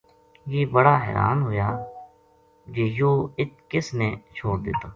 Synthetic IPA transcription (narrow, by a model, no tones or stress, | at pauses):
jeːbəɽaːɦɛ̰ːɾa̰ːnɦoːjaː | d͡ʒeːjoːɪt̪̚kɪsneːt͡ʃʰoːɽd̪ɪt̪aː